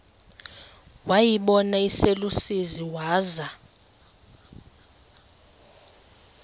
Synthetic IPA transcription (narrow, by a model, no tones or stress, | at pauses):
wajiɓɔnaiselusiziwaːza